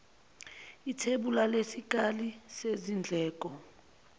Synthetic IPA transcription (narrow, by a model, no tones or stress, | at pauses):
itʰeɓulalesik̬ʼalisezind͡ɮʱɛːk̬ʼɔ